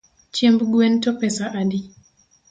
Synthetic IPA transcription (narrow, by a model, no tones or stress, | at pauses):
t͡ʃembɡuɛntɔpɛsaʔadi